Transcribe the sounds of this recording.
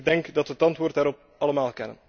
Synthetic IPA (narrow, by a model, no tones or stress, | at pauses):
ɡ̚dɛŋkdɑtʋətɑntʋoːrtdaːɾɔp̚ | ɑləmaːlˠkɛnə̰n